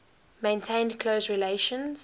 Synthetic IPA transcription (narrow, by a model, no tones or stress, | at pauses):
mẽɪ̃ntʰẽɪ̃ndkʰl̥oʊsɹileɪʃə̃nz̥